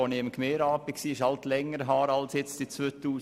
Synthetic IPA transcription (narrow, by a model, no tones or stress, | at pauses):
oniɪmkʰmeːɾɑːpɪksiːɪʃɑlt̪lɛŋːəɾɦɑːɾɑlsjɛt͡stit͡sʋøːt̪uː